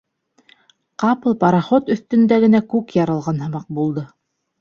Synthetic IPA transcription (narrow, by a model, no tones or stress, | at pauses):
qɑpɤlˠpɑɾɑχot̪ɵ̆θt̪ɵ̆nd̪æɡɘ̆nækʉkjɑɾɤ̆lˠʁɑnɦɤ̆mɑq̚bulˠd̪ɤ